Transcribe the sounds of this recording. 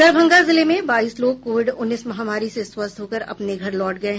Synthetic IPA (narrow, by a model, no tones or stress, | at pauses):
ɐɾbʱə̃ŋɡazɪlemẽbaːiːsloːɡ̚koːʋɪɖʊnːiːsmɐɦaːmaːɾiseswɐst̪ɦoːkəɾɐ̰pneɡʱɐɾlɔːʈɡɐeɦ